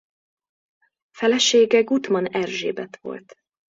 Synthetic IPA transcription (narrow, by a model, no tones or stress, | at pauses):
fɛlɛʃeːɡɛɡut̪mɒnɛrʒḛːbɛt̪ʋo̞̰lt̪